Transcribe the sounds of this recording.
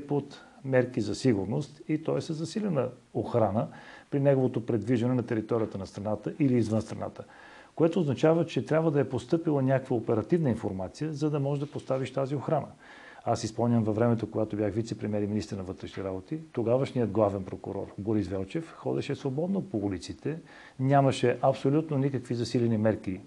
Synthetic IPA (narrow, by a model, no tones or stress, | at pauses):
pot̪mɛɾkizɐsiɡʊɾnost̪it̪ɔɛsəzːɐsilʲɛnəoxɾanəpɾinɛɡovot̪opɾɛd̪viʒɐnɛnɐt̪ɛɾit̪ɔɾijət̪ənɐst̪ɾɐnat̪əʔiliːzvənst̪ɾɐna̰t̪ə̥ | koɛt̪oːznɐt͡ʃavət͡ʃɛt̪ɾʲabvəd̪ɐɛpost̪ɤpilˠənʲakkvəopɛɾɐt̪ivnəinfoɾmat̪sijəzɐd̪ɐmɔʒɛd̪ɐpost̪aviʃt̪azioxɾanə | asispolˠnʲəmvɐvɾɛmɛt̪okoɡat̪objaxvit̪sɛpɾɛmiɛɾiminist̪ɛɾnɐvət̪ɾɛʃniɛɾabot̪it̪oɡavəʃniəd̪ɡlˠavɛnpɾokʊ̰ɾɔ̰ɾboɾisvɛlˠt͡ʃɛfxɔd̪ɛʃɛsvobɔd̪nopoulit̪sit̪ɛ | nʲamɐʃɛʔɐpsolʲut̪nonikəkvizɐsilɛnimɛɾki